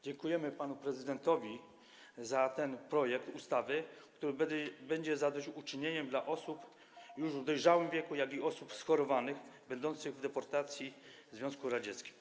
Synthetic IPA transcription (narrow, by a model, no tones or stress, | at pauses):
d͡ʑɛŋkujɛmɘpanupɾɛzɘd̪ɛnt̪ɔvʲi | zat̪ɛnpɾɔjɛkt̪ust̪avɘkt̪uɾɘbɛɲd͡ʑɛzad̪ɔt͡ɕut͡ʂɘɲeɲɛmd̪laʔɔsup | juʐvd̪ɔjʐawɘmvʲjɛkujaɡiɔsupsxɔɾɔvanɘɣbɛnd̪ɔnt̪sɘɣvd̪ɛpɔɾt̪at̪sʲji | zvjɔ̃skuɾad͡ʑɛt̪skʲi̥m